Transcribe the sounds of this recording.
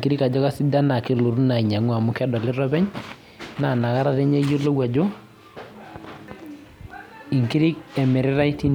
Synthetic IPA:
ki˦ɾɪ˦ka˨d͡ʒɔ˦ka˦si˦da˦na˨kɪ˦lo˨ɾu˦na˨i˨ɲa˨ŋwa˨mʊ˦kɛ˦dɔ˨lɪ˦ɾɔ˦bɛ˦ɲ | na˨na˨ka˦ɾa˦tɛ˦ɲɛ˦jo˦lo˦wa˨d͡ʒo˦ | i˨ŋki˦ɾɪ˦k̚ɛ˨mɪ˨ɾɪ˦ɾa˦i˦ti˦n

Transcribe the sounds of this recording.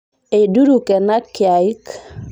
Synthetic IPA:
e˨du˦ɾu˨kɛ˨na˦kja˨˦k

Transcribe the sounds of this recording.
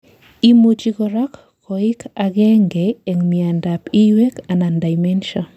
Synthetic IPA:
i˦mu˦t͡ʃi˦ɡɔɾa˦k | kɔi˦kʰaɡɛ˦ŋɡeɛŋmia˨nda˨pi˦we˦ka˨na˨nda˨jmɛnʃɔn

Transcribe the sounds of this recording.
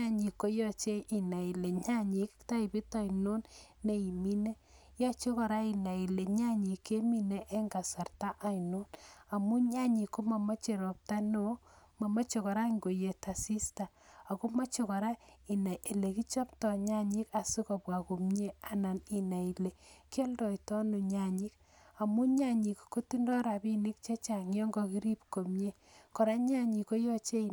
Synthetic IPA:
ɲa˦ɲi˨kːo˦jɔ˦t͡ʃe˦ʔi˨na˨i˨le˨ɲa˦ɲi˦kta˦i˨pi˦ta˨ino˦nːe˦˨i˨mi˦ne˦ | ja˦t͡ʃo˦kɔ˨ɾa˦i˨na˨i˨le˨ɲa˦ɲi˨kːe˦mi˦ne˦ʔe˦ŋɡa˨sa˨rta˦ʔa˦i˨no˦na˨mu˦ɲa˦ɲi˨kːo˦ma˨ma˦t͡ʃe˨ɾo˨p̚ta˦no˦ | ma˨ma˦t͡ʃo˨kɔ˨ɾa˦ŋɡo˨je˨ta˨si˦sta˨ | a˨ko˦ma˦t͡ʃo˨kɔ˨ɾa˦i˨na˨jʔe˨le˨ki˦t͡ʃɔ˦ptɔ˨ɲa˦ɲi˦ka˨su˦ko˨pwa˨ko˨mɲe˦a˨na˨ni˨na˨i˨le˨ke˦ldɔ˨jtɔ˦nu˨ɲa˨ɲi˦k | a˨mu˦ɲa˦ɲi˨kko˦ti˦ndɔ˦ɾa˨bi˦ni˦k̚t͡ʃe˦t͡ʃa˨ŋjɔ˦ŋɡɔ˨ki˦ɾi˦pko˨mɲe˦ | kɔ˨ɾa˦ɲa˦ɲi˨ko˦jɔ˦t͡ʃe˦

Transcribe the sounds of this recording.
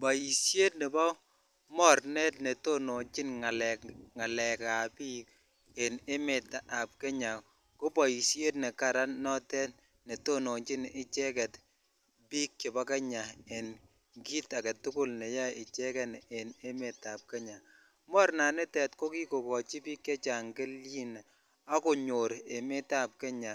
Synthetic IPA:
ba˨ji˨sje˦tne˨bɔ˦ | mɔ˦rnɛ˦tne˨to˦no˨ɲt͡ʃi˦nŋa˨lɛ˨kŋa˨lɛ˨ka˨pi˦k | e˨ne˦me˨ta˨a˨p̚kɛ˦ɲa˨ | ko˦ba˨ji˨sje˦tnɛ˨ka˨ɾa˦nnɔ˦tɛ˦t | ne˨to˦no˨t͡ʃi˦nɪ˦t͡ʃɛ˦kɛ˨t | bi˦kːe˨ba˦ke˦ɲa˨e˨n | ki˦ta˨kɛ˨tʊ˦kʊ˦lne˨ja˦ɪ˨t͡ʃɛ˦kɛ˦ne˨ne˦me˨ta˨p̚ke˦ɲa˨ | mɔ˦ɾna˨nɪ˦tɛ˨tko˦ki˦ko˨kɔ˨t͡ʃi˦bi˦kːe˦t͡ʃa˨ŋɡe˦lji˦n | a˦ko˨ɲo˨ɾe˨me˦ta˨p̚ke˦ɲa˨

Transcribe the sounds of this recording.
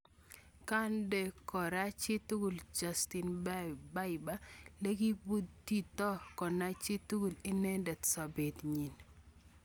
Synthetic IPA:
ka˦nde˨kɔ˨ɾa˦t͡ʃɪ˦t̪u˦ɡu˨ld͡ʒa˨sti˨nbba˦jba˦le˦ɡi˦bu˦dti˦t̪ɔ˦kɔ˨na˦t͡ʃɪ˦tu˦ɡu˨li˦nɛ˦ndɛ˨t̪sa˨be˨t̪ɲi˨n

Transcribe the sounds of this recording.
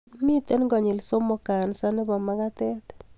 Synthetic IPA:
mi˦t̪e˦nɡɔ˨ɲi˨lso˦mo˨ka˨nsa˦nɪ˦bɔ˨ma˦ka˦tɛ˦t

